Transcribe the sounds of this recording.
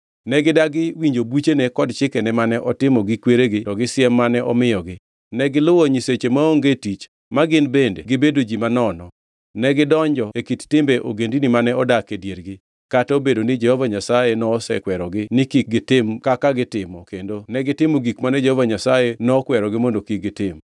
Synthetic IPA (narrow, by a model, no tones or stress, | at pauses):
nɛɡɪdaɡɪwiɲd͡ʒobut͡ʃenekɔdt͡ʃɪkɛnɛmanɛʔɔtɪmɔɡɪkweɾeɡɪtɔɡɪsɪɛmːanɛʔɔmɪjɔɡɪ | nɛɡɪlʊwɔɲiset͡ʃemaoŋɡetit͡ʃ | maɡɪnbendḛɡɪbedod͡ʒimanɔnɔ | nɛɡɪdɔɲd͡ʒɔekittɪmbeʔoɡendinimanɛɔdakedjeɾɡɪ | kataobedonɪd͡ʒɛhovaɲasajenɔːsɛ̰kwɛɾɔɡɪnɪkik̚ɡɪtɪmkakaɡɪtɪmɔkendonɛɡɪtɪmoɡikmanɛd͡ʒɛhovaɲasajenɔkwɛɾɔɡɪmondokik̚ɡɪtɪm